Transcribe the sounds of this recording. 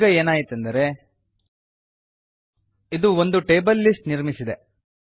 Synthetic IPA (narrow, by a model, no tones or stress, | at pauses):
ɡɐe̞ːnaːjit̪end̪ɐɾe̞ | id̪uo̞nd̪uʈe̞ːbɐlːisʈniɾmisid̪e